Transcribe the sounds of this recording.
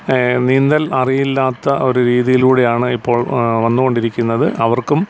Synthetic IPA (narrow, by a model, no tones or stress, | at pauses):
nind̪ɐlɐrijilːaːt̪ːɐʔo̞ɾuɾiːðijiluːɽe̞jaːɳɨipːo̞ːɭʋɐnːuɣo̞ɳɖiɾikʲːunːɐðɨʔɐʋɐrkum